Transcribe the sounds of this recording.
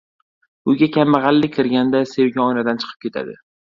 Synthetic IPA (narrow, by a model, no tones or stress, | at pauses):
ʊɡʲakʲʰamːaʁɑlːɪkʲʰːɪɾɡʲand̪ase̞wɡʲaɒjnad̪ant͡ʃʰɨ̥qʰɨp̚kʲʰe̞t̪ʰa̰d̪ɪ̰